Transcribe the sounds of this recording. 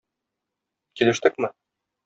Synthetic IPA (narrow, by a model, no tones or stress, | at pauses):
kilɘ̆ʃt̪ɘkmɘ